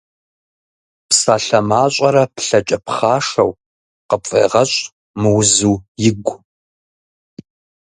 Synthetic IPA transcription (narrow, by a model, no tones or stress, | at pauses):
psaːɬɐmaːɕʼɐɾɐpɬɐt͡ʃʼɐpχaːʂɐ̰w | qəpfʼḛːʁɐɕʼ | mɨwzuːjɪɡʷ